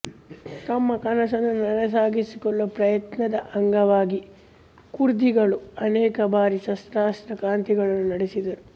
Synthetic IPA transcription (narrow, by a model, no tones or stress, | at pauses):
t̪ɐmːɐkɐnɐsɐnːunɐɾɐs̬aːɡisikɔɭʋɐpɾɐjɐt̪nɐd̪ɐʔɐŋɡɐʋaːɡi | kuɾd̪iɡɐɭuɐnɛːkɐbaːɾiʃɐst̪ɾaːst̪ɾɐkaːnt̪iɡɐɭɐnːunɐɽesid̪ɐɾu